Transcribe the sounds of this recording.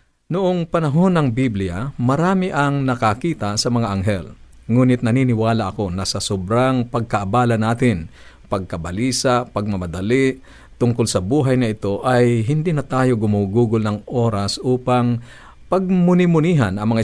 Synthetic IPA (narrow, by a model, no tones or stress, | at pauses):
nʊʔoŋpɐnɐɦonɐŋbiblɪjamɐɾaːmɪʔɐŋnɐkakiːt̪asɐmɐŋaʔɐŋɦɛl | ŋuːnɪt̪nɐniːnɪwaːlaʔɐko̞nɐsɐsobɾaŋpɐɡ̚kɐʔːbaːlɐnaːt̪ɪn | pɐɡ̚kɐbɐliːsapɐɡ̚mɐmɐd̪ɐliʔ | t̪ʊŋkʊlsɐbuːɦajnɐɪt̪o̞ʔajɦɪnd̪inɐt̪aːjoɡʊmuɡuːɡʊlnɐŋʔoːɾasʔuːpaŋ | pɐɡ̚mʊnɪmʊniːɦanɐŋmɐŋa